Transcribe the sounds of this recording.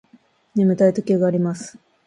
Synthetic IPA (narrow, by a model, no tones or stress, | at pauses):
nemɯ̟t̪ait̪okʲeɡaːɾʲimasɨ̥